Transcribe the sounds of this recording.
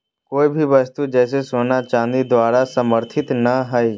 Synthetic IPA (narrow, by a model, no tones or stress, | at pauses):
koːibʱiʋɐst̪ud͡ʒɛːs̬esoːnat͡ʃãːnd̪id̪waːɾasəməɾt̪ʰɪt̪nɐɦɛi